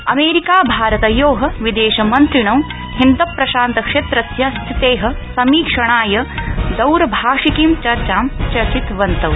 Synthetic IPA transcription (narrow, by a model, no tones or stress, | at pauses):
ɐmeːɾikaːbʱaːɾɐt̪ɐjoːɦɐʋid̪eːʃɐmɐnt̪ɾiɳɐm | hind̪ɐpːɾɐʃaːnt̪ɐkʂeːt̪ɾɐsjɐst̪ʰit̪eːɦɐ̆sɐmiːkʂɐɳaːjɐd̪ɐwɾɐbʱaːʂikiːmt͡ʃɐɾt͡ʃaːmt͡ʃɐɾt͡ʃit̪ʋɐnt̪ɐw